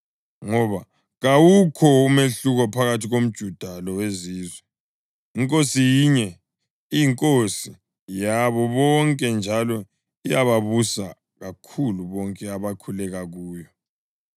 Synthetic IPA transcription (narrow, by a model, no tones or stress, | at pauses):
ŋɔβa | ɣawukʰɔumeɬuɣɔpʰaɣatʰiɣom̩d̥ʒ̥ʱud̥ʱalɔweziːzwɛ | iŋkʼosijiɲɛ | ijiŋkʼosi | jaβɔβɔŋkʼɛnd͡ʒʱalɔ | ijaβaβusa | ɣakʰuluβɔŋkʼɛaβakʰulɛɣaɣuːjɔ